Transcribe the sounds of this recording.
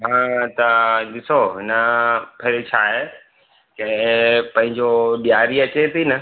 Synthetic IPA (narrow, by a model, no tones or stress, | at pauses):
ɦãːt̪ɐɗɪsoɦɪnəpʰeɾɪt͡ɕʰaːɦe | kɐ̃pɐ̃ɦɪ̃ɲd͡ʑoɗijaːɾiɐt͡ɕet̪ʰinɐ